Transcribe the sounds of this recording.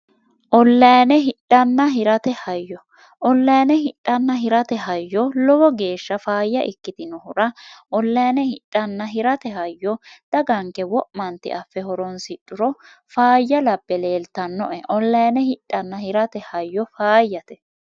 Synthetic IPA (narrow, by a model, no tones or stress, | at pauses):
ʔɔlːɐjɐnɛɦɪᶑʼːɐnːɐɦɪɾɐt̪ɛhɐjːɔ | ʔɔlːɐjɐnɛɦɪᶑʼɐnːɐɦɪɾɐt̪ɛɦɐjːɔlɔwɔɡe̞ːʃːɐfaːjːɐʔɪkːɪt̪ɪnɔhʊɾɐʔɔlːɐjɐnɛhɪtʼːɐnːɐɦɪɾɐt̪ɛɦɐjːɔd̪̥ɐɡɐŋkːɛwɔʔmɐnt̪ːɪ̰ʔɐfːɛhɔɾɔnsɪᶑʼːʊɾɔ | faːjːɐlɐbːɛleːlt̪ɐnːɔ̰ʔɛʔɔlːɐjɐnɛhɪᶑʼːɐnːɐhɪɾɐt̪ɛhɐjːɔfaːjːɐt̪ɛ